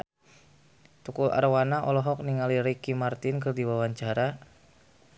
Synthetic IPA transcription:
t̪ukula̰rwanaʔɔlɔɦɔk̚niŋaliɾikimart̪ɪnkɨrdiwawaɲt͡ʃaɾa

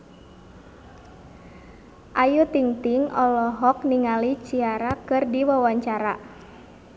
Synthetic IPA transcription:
ʔajut̪iŋt̪iŋɔlɔɦɔk̚niŋalit͡ʃiaɾakɨrdiwawaɲt͡ʃaɾa

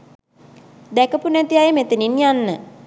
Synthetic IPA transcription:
d̪ɛkəpunæt̪iajəmet̪eninjanːə

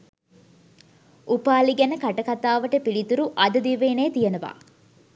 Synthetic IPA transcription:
ʔupaːliɡɛnɐkɐʈɐkɐt̪aːʋɐʈɐpiɭit̪uɾuʔɐd̪ɐd̪iʋeːneːt̪ijɐnɐʋa̰ː

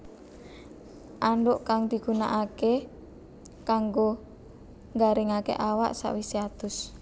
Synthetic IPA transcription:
ʔaɳɖʊʔkaŋd̪̥i̤ɡ̥ṳnaʔake | kaŋɡo | ŋɡaɾɪŋakḛʔawaʔsa̰ʔwisiat̪ʊs

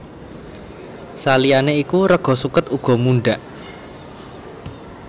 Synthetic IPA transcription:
salianeikuɾəɡ̥ɔ̤sukət̪uɡ̥ɔ̤muɳɖaʔ

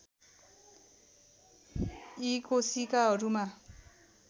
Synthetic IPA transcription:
ikosikaɦʌɾuma

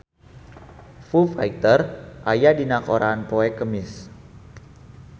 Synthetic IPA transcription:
fufajt̪ərʔajadinakoɾanpoɛkəmɪs

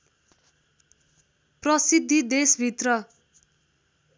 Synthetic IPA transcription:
prʌsid̪ʱːid̪esbʱit̪rʌ

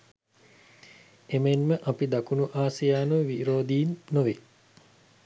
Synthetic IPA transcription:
emenməʔɐpid̪akunuʔaːsijaːnuʋiɾoːd̪iːnːoʋe

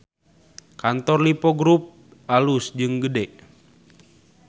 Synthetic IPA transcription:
kant̪ɔrlipɔɡɾup̚ | alusd͡ʒɨŋɡədɛʔ

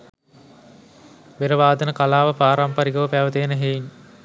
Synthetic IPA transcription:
ʋeɾəʋaːd̪ənəkalaːʋəpaːɾampaɾiɡɐʋəpæːʋət̪eːnəɦein

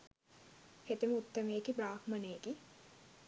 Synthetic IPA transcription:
het̪eməut̪ːɐmeːkibraːkmɐneːki

